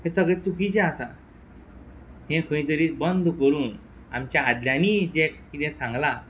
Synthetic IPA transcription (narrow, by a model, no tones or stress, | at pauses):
hẽsəɡɭet͡sukit͡ɕãasa | ɦẽkʰə̃ĩt̪əɾiːbənd̪ʱkəɾuːn | a̰mt͡ɕjaːd̪ljaniːd͡ʑekit̪ɛ̃sãŋɡla